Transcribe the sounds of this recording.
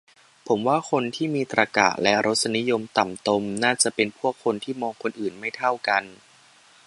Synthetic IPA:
pʰo˩˦mwaː˥˩kʰo˧nt̪ʰiː˥˩miː˧t̪ɾa˧ka̰˨˩ʔlɛ˦˥ɾʔo˦˥t̪̚sa˧ni˦˥jo˧mt̪a˨˩mt̪o˧mnaː˥˩t͡ɕa˨˩ʔpe˧npʰu˥˩əkʰːo˧nt̪ʰiː˥˩mɔː˧ŋkʰo˧nʔɯː˨˩nma˥˩jt̪ʰa˥˩wka˧n

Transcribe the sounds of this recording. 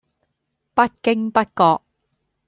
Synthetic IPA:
pɐ˥t̚kɪ˥ŋpɐ˥t̚kɔː˧k̚

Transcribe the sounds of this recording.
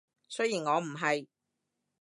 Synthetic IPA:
sɵ˥ɥjiː˨˩nŋɔː˨˧m̩˨˩ɦɐ˨j

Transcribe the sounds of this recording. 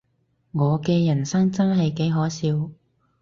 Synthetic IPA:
ŋɔː˨˧kɛː˧jɐ˨˩nsɐ˥ŋt͡sɐ˥nɦɐ˨jke˨˥jɦɔː˨˥siː˧w

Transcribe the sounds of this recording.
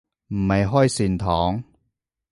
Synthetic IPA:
m̩˨˩hɐ˨jɦɔː˥jsiː˨˧nt̪ʰɔː˨˥ŋ

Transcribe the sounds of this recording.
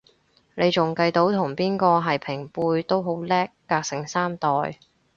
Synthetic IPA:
ne˨˧jt͡ʃʊ˨˩ŋkɐ˧jt̪o˨˥wt̪ʰʊ˨˩ŋpiː˥nkɔː˧ɦɐ˨jpʰɪ˨˩ŋpuː˧jt̪o˥wɦo˨˥wlɛː˥kːaː˧k̚sɪ˨˩ŋsaː˥mt̪ɔː˨˩j

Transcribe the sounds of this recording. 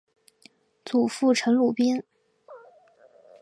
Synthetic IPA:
t͡su˨˩fu˥˩ʈ͡ʂʰɤ˧˥ŋlu˨˩pi˥n

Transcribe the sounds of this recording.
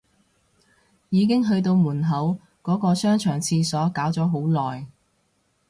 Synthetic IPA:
jiː˨˧k̬ɪ˥ŋɦɵ˧ɥt̪o˧wmuː˨˩nɦɐ˨˥w | kɔː˨˥kɔː˧sœː˥ŋt͡ʃʰœː˨˩ŋt͡sʰiː˧sɔː˨˥kaː˨˥wt͡sɔː˨˥ɦo˨˥wlɔː˨j

